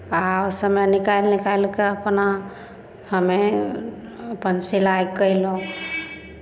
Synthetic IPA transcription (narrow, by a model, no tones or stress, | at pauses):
asəmenikajlnikajlkeəpna | həme | əpənsilajɡkəilo